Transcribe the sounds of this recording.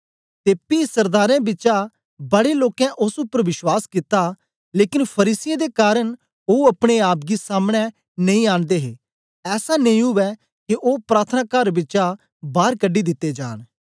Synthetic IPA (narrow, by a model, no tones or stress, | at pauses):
t̪eːpiːsɐɾd̪aːɾɛ̃bɪt͡ʃa | bɐɽeloːkɛ̃ʔʊsupəɾʋɪʃwaːskɪt̪ːa | leːkɪnpʰɐɾiːsɪjãd̪ekaːɾən | oːɐpɽ̃eaːp̚ɡisaːmɽ̃ɛ | nɐ̃ĩːaːnd̪eːɦeː | ɛːsanɐ̃ĩɦʊʋɛ | kiʔoːpɾaːt̪ʰənaːkəɾbɪt͡ʃa | baːɾkəɖːid̪ɪt̪ːed͡ʒa̰ːn